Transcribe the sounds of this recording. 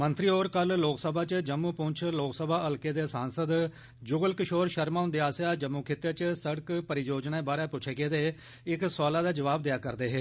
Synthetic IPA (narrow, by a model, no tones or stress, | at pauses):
mənt̪ɾiːoːɾkəlloːksəbaːt͡ʃd͡ʒəmːũːpʊ̃ɲt͡ʃʰloːksəbʱaːəlkeːd̪eːsaːnsəd̪ | d͡ʒʊɡəlkɪʃoːɾʃəɾmaːʊnd̪eːaːsjaːd͡ʒəmːuːkʰɪt̪ːaːt͡ʃsəɽəkpəɾid͡ʒoːd͡ʒnaːeːbaːɾaːpʊt͡ʃʰeːɡeːd̪eː | ɪksaːlaːd̪aːd͡ʒəʋaːb̚d̪ejaːkəɾd̪eːɦeː